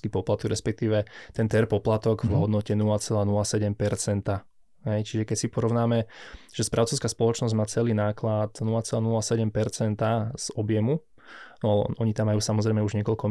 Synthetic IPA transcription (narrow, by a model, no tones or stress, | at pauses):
kipɔplat̪ɔɡɾɛspɛk̚t̪iːʋɛt̪ɛnt̪ɛɾpɔplat̪ɔɡvɦɔd̪nɔcɛnulat͡sɛlaːnulasɛɟɛmpɛɾt͡sɛnt̪a | ɦɛjt͡ʃiʒɛkɛcsipɔɾɔʊnaːmɛʒ̥ɛspɾʔaʊt͡sɔʊskaspɔlɔt͡ʃnɔzɟmaːt͡sɛliːnaːklat̪nulat͡sɛlaːnulasɛɟɛmpɛɾt͡sɛnt̪az̥ɔbjɛmu | nɔaʔɔɲit̪amːajuːsamɔzɾɛjmɛuʒɲɛkɔʎkɔ